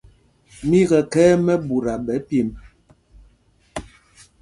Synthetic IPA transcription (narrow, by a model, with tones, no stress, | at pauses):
mi˦ɣɛ˨kɛː˦mɛ˦bu˨ɾa˨ɓɛ˨˦pje˨m